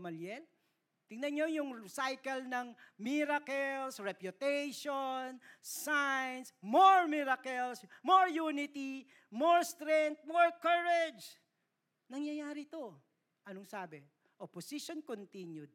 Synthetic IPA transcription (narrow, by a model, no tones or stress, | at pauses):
mɐljɛl | t̪ɪŋnɐɲojʊŋsajkɐlnɐŋmiɾakɛlsɹɛpjʊt̪ɛjʃonsajnsmoɹmiɾakɛlsmoɹjuːnɪt̪i | moɹst̪ɾɛnt̪̚moɹkɐɹɛd͡ʒ | nɐŋjɐjaːɾɪt̪o | ʔɐnoŋsaːbɛ | ʔoposiʃonkont̪injʊd̪̚